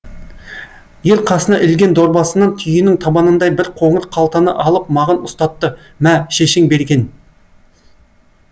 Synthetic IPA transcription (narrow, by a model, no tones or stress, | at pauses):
je̞ɾqʰɑsənɑʔɪlɡʲe̞nd̪o̞ɾbɑsənːɑnt̪ʰʏjɪnɪŋt̪ʰɑbɑnənd̪ɑjbɪɾqʰo̞ɴəɾqʰːɑlˠt̪ɑnə̰ʔɑlˠəpmɑʁənʊst̪ɑt̪ːə | mæʃeʃɪŋbe̞ɾɡʲe̞n